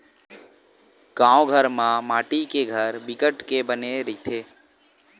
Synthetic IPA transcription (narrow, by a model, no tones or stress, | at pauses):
ɡ̥ãoɡʱəɾmãmaːʈikeɡʱəɾbɪkəʈkebəneɾit̪ʰe